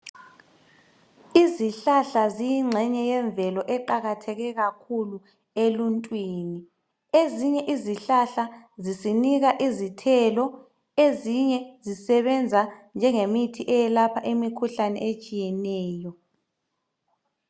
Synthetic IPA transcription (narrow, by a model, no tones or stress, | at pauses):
iziɬaɬazijiŋ͡ǁʱɛɲɛjɛɱb̪vʱɛlɔʔɛǃaɣatʰɛɣɛɣakʰulu | eluntʼwiːni | eziɲɛʔiziɬaɬazisiniɣaʔizitʰɛlɔ | eziɲɛzisɛβɛnd͡zʱand͡ʒʱɛŋemitʰiʔɛjɛlapʰaʔimikʰuɬanɛ̰et͡ʃʼijɛnɛːjɔ